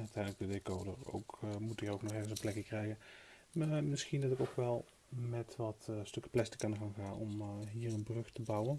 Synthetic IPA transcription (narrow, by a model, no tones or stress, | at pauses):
œtɛjnələkɡ̚dədekoːdəro̰wkmutirowknɔxɛɹɣənsənplɛkjəkrɛjɣən | amɪsxindɑtɪkowkʋɛlˠ | mɛtʋɑtstøkə̥plɛstə̥kɑnəχaːnxaːnɔmɦiːrənbrɵxtəbɑwən